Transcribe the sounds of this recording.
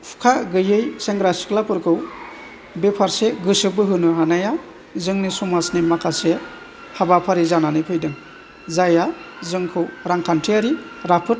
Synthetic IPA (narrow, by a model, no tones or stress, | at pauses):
pʰu̥kʰaɡɯjɯjseŋɡɾasi̥klapɯɾkʰɯw | bepʰaɾseɡɯsɯbɯɦɯnɯɦanaja | zɯŋnisumasnimakʰase | habapʰaɾizananɯpʰɯjdɯŋ | zaja | zɯŋkʰɯwɾaŋkʰantʰiaɾiɾapʰɯt̚